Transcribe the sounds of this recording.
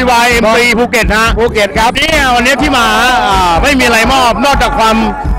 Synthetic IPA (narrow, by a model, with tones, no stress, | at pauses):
waː˧jʔe˧m˧iː˧pʰuː˧ke˨˩t̪̚ha˦˥ʔpʰuː˧ke˨˩˦niː˦˥˧wa˧nːi˦˥t̪ʰiː˥˩maː˧ʔaː˨˩ma˥˩jmiː˧ʔa˧ɾa˧jmɔː˥˩p̚nɔː˥˩k̚t͡ɕaː˨˩kʰwaː˧m